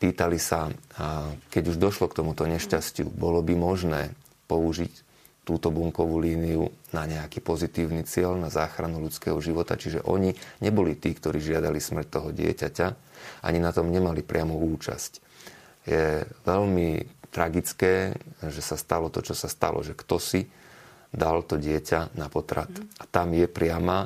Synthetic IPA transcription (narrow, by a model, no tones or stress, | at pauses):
piːt̪alisa | kɛɟuʒd̪ɔʃlɔkt̪ɔmut̪ɔɲɛʃcascɪṵbɔlɔbimɔʒnɛː | pɔuʒic | t̪uːt̪ɔbuŋkɔʋuːliːniunaɲɛakiːpɔzit̪iːʊnit͡sɪɛʎnazaːxɾanulut͡skɛːɦɔʒiʋɔt̪a̰t͡ʃiʒɛ̰ʔɔ̰ɲiɲɛbɔlit̪iːkt̪ɔɾiːʒɪad̪alismr̩c̚t̪ɔɦɔɟɪɛ̰cacaʔa̰ɲinat̪ɔmɲɛmalipɾɪamuuːt͡ʃa̰sc | jɛʋɛʎmit̪ɾaɡit͡skɛːʒɛsast̪alɔt̪ɔt͡ʃɔsast̪a̰lʔɔ̰ʒɛkt̪ɔsi | d̪alt̪ɔɟɪɛcanapɔt̪ɾa̰t̪ʔat̪amjɛpɾɪama